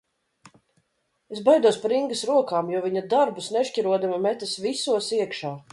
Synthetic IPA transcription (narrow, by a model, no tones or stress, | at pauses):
esbajd̪uɔspaɾiŋɡɐsɾuɔkaːmjuɔviɲɐd̪aɾbusneʃcʲiɾuɔd̪amamɛt̪ɐsvisuɔsiɛkʃaː